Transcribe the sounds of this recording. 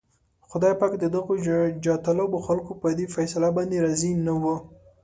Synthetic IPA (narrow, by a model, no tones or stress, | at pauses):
xʊd̪ɑjpakd̪əd̪əɣod͡ʒɑt̪aloboxalkopəd̪efajsalabɑnd̪eɾɑzinawə